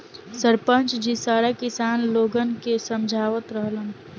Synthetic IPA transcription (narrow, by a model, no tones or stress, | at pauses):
səɾpənt͡ʃd͡ʒisaːɾakɪsaːnloːɡənkesəmd͡ʒʱaːʋət̪ɾəɦlən